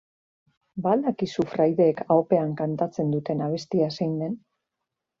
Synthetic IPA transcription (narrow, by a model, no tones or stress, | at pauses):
bald̪akisufɾajðe̞ːkaope̞aŋkant̪at͡se̞nd̪ut̪e̞naβ̞e̞st̪iasajnd̪e̞n